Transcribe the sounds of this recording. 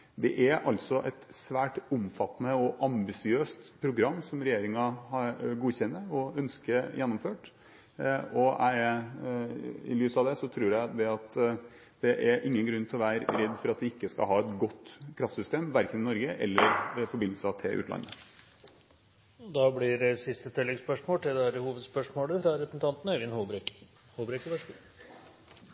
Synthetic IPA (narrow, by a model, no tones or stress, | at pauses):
d̪ɛ̰ʔæɾʔɑlt̪sɔʔɛt̪sʋæːʈʊmfɑt̪ːnəɔʔɑmbɪsɪøːst̪pʰɾʊɡɾɑmːsɔmɾɛjeːɾɪŋɑhɑɾɡuːçɛnːəɾɔœnskəjɛnːɔmføːʈ | ɔæ̰ɪɛɾ | ɪ̰lyːsɑʋd̪ɛsɔt̪ʰɾuːɾjæɪd̪ɛɑt̪ | d̪̥ɛʔæɾʔɪŋːənɡɾʉnːt̪ʰɪlɔʋæːɾəɾɛd̪ːfɔɾɑt̪̚d̪ɪɪkːəskɑ̰ɦɑːɛt̪ɡɔt̪ːkʰɾɑft̪sʏst̪eːmʋæɾkənɪnɔɾɡəʔɛlːəɾfɔɾbɪnl̩sɑt̪ʰɪlʔʉ̰ːt̪lɑ̰nːə | d̪ɑblɪɾsɪst̪ət̪ʰɪlːɛɡspœʂmoːʈ̪ʰɪld̪ɛhæɾəhuːʋəd̪spœʂmoːləfɾɑɾɛpɾəsn̩t̪ʰɑnt̪n̩œɾɪnhubɾɛk | huːbɾɛkəʋɛʂ